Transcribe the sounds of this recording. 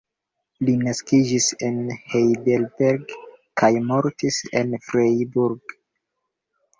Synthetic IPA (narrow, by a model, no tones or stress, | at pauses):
linaskid͡ʒisenhejdelbeɾɡkʰajmoɾtise̞̰nfɾejbuɾɡ